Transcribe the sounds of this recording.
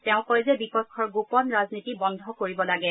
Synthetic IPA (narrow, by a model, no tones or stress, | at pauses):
tɛʊ̃kɔjzɛbikɔtkʰːɔɹɡopɔnɹaznitibɔnd̪ʱɔkoɹibɔlaɡɛ